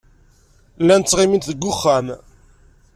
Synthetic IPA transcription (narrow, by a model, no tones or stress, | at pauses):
lːænt͡sːʁɪmint̪ðəɡːʊχːæm